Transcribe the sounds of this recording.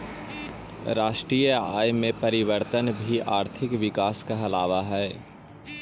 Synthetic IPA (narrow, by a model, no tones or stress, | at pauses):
ɾaːʃʈɾiːəa̰ːjmẽpɐɾɪʋəɾt̪ənbʱiaːɾt̪ʰɪkʋɪkaːskaɐlaːʋaɦɛː